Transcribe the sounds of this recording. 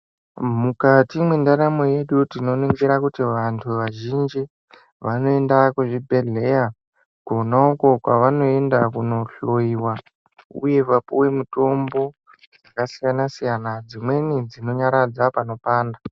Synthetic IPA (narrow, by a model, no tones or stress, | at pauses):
mukatimwendaɾamo̞je̞ɗutino̞neŋɡeɾakutiʋantʰuʋaʒind͡ʒi | ʋano̞e̞ndakuʐibʱe̞ɮe̞ja | ɡ̥ʱonaokokwaʋano̞e̞ndakuno̞ɬo̞iwa | ṵje̞ʋapuwe̞muto̞mbo̞ | d͡zakasijanasijanad͡zimwe̞nid͡zino̞ɲaɾad͡zapano̞paːnda